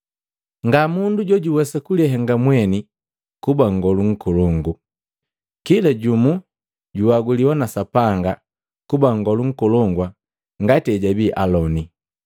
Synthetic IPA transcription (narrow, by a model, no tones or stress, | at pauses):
ŋɡamunduɟɔɟuwɛsakuliaɦɛŋɡamwɛni | kubaŋɡɔluŋ̩kɔlɔŋɡu | kilaɟumu | ɟuwaɡuliwanasapaŋɡa | kubaŋɡɔluŋ̩kɔlɔŋɡwa | ŋɡatiɛɟabiʔalɔni